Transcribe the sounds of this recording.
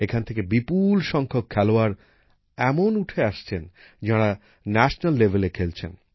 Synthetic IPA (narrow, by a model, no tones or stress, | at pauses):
ekʰanet̪ʰekebipulʃɔŋkʰokʰːɛloaɾ | ɛmonuʈʰeaʃt͡ɕʰend͡ʑaɽa | nɛʃnalːebʱelekʰelt͡ɕʰḛn